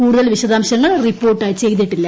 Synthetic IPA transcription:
kuːɽuðɐlʋiɕɐd̪aːmɕɐŋːɐɭripːoːrʈːaːjit͡ɕe̞jt̪̬ːiʈːilːɐ

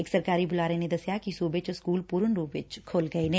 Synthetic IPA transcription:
eːksɐɾkaːɾibʊlaːɾened̪ɐsjakisuːbet͡ʃoskuːlpuːɾənɾuːpʋɪt͡ʃkʰoːlɡɐenɛ̃ː

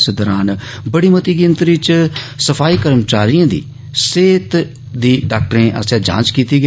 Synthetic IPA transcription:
sd̪ɔːɾaːn | bəɽiːmət̪iːɡɪnt̪ɾit͡ʃsəpʰaːiːkəɾmt͡ʃaːɾijãːd̪ḭː | seːt̪ | d̪iːɖaːk̚ʈɾẽːʔə̰sẽːd͡ʒã̰ːt͡ʃkiːt̪iːɡ

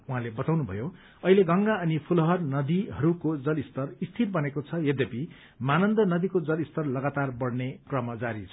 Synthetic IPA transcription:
uɦãlebʌt̪awnubʱʌ̰jo | ʌileɡʌŋɡaʌnipʰulʌɦʌrnʌd̪iɦʌɾukod͡zʌlist̪ʌrist̪ʰirbʌnekot͡sʰʌjʌd̪jʌpi | manʌnd̪ʌnʌd̪ikod͡zʌlist̪ʌrlʌɡat̪arbʌɽnekrʌmʌd͡zaɾit͡sʰʌ

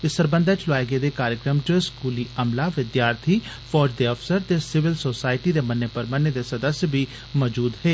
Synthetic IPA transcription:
ɪsəɾbə̃nd̪aːt͡ʃlʊaːjɡeːd̪eːkaːɾjəkɾəmd͡ʒoskuːliːəmlaːʋɪd̪jaːɾt̪ʰiː | pʰɔːd͡ʒd̪eːəfsəɾt̪eːsɪʋɪlsoːsaːɪʈiːd̪eːmənːeːpəɾmənːeːd̪eːsəd̪əsjbiː | mɔːd͡ʒuːd̪ɦeː

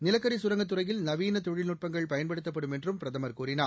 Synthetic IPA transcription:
nɪlɐkːɐɾisʊɾɐŋɡɐt̪ːɯrɐjɪlnɐʋiːnɐt̪ɔɻɪlnʊʈ̚pɐŋɡɐɭpɐjɐnpɐɽɯt̪ːɐpːɐɽɯmɛndrɯmpɪɾɐðɐmɐɾkuːɾɪnaː

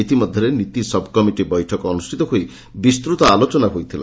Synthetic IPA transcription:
it̪imɔd̪ʱjɔɾenit̪isɔbʱkɔmiʈibɔjʈʰɔkɔɔnusʈʰit̪ɔɦoj | bist̪ɾut̪ɔalot͡ʃɔnaɦojt̪ʰila̰

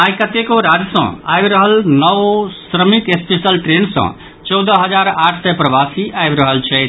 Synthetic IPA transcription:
ajkət̪ekoɾad͡ʒsə̰̃a̰jbɾəɦəlnəʋsɾəmik̪espesəlʈɾensə̰̃ | t͡ʃɔwd̪əɦəd͡ʒaɾaʈʰsɛpɾəʋasiʔajbɾəɦəlt͡ʃʰɛt̪

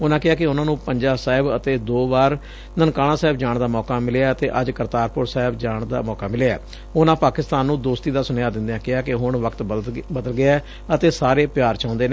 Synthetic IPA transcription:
ʊnãːkɪɦaːkɪʊnãːnũːpəɲd͡ʒaːsaːɦɪbət̪eːd̪oːbaːɾ | nənkaːɽ̃ãːsɛːɪbd͡ʒaːɳd̪aːmɔːkaːmɪleaːət̪eːʔəd͡ʒkəɾt̪aːɾpʊɾsɛːɦɪbd͡ʒaːɳd̪a̰ːmɔːkaːmɪleɛ̰ː | ʊnãːpaːkɪst̪aːnːũːd̪oːst̪iːd̪aːsʊnjaːd̪ɪ̃nd̪eãːkɪɦaːkɪɦʊɳʋəkt̪bəd̪əlɡɪaː | ət̪eːsaːɾeːpɪjaːɾt͡ʃãːnd̪eːn

